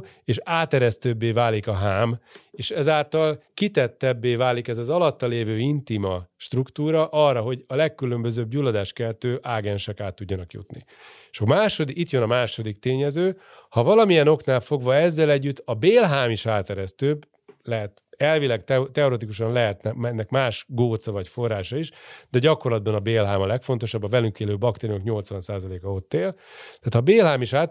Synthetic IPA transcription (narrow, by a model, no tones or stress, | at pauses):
eːʃaːt̪ɛɾɛst̪øːbːeːvaːlikɒɦaːmeːʃɛzaːlt̪ɒlkit̪ɛt̪ːɛbːeːvaːlikɛzɒzɒlɒt̪ːɒleːvøːint̪imɒʃt̪rukt̪uːɾɒʔɒrːɒɦo̞ɟɒlɛkːylø̞mbøzøːbɟuːlːɒd̪aːʃkɛlt̪øːʔaːɡɛnʃɛkaːt̪ːuɟːɒnɒkjṵt̪nḭ | ʃɒmaːʃo̞d̪iit̪jønɒmaːʃo̞d̪ikt̪eːɲɛzøː | hɒvɒlɒmijɛno̞knaːlfo̞ɡvɒɛzːɛlɛɟːyt̪ʰːɒbeːlɦaːmiʃaːt̪ɛɾɛst̪øːb | lɛɦɛt̪ | ɛlvilɛɡt̪ɛt̪ɛoɾet̪̬ikuʃɒnlɛɦɛt̪nɛmɛnːɛkmaːʃɡoːt̪sɒvɒcfo̞rːaːʃɒiʃd̪̥ɛɟɒko̞rlɒd̪bɒnɒbeːlɦaːmɒlɛkfo̞nt̪o̞ʃɒbːɒvɛlyŋkeːløːbɒkt̪eːɾiokɲo̞lt̪sʋɒnsaːzɒleːkɒo̞t̪ːeːlt̪aːt̪ʰɒbeːlɦaːmiʃaː